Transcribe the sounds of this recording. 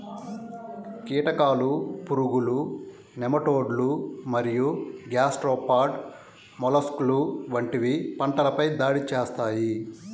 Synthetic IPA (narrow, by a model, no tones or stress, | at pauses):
kiːʈɐkaːlupuɾuɡulu | nɛmɐʈoːɖlumɐɾijuɡjaːsʈɾoːpaːɾɖ | mɔlɐskluʋɐɳʈiʋipɐɳʈɐlɐpɐjd̪aːɽit͡ʃeːst̪aːji